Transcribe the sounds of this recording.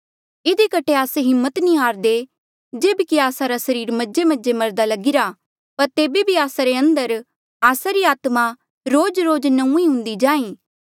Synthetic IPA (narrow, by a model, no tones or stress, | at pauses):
ɪd̪ikɐʈʰeaːseɦɪmːət̪nĩɦaːɾd̪e | d͡ʒeːbkiaːsaɾasɐɾiːɾmɐd͡ʒemɐd͡ʒemɐɾd̪alɐɡɪɾa | pɐɾt̪eːbebʱiaːsaɾeɐ̃nd̪əɾ | aːsaɾiaːt̪ma | ɾoːd͡ʒɾoːd͡ʒnɐũiɦʊ̃nd̪id͡ʒãːĩː